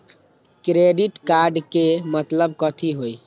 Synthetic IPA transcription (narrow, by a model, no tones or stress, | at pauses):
kɾeɖiʈkaɾɖkemət̪ləb̚kət̪ʰiɦoj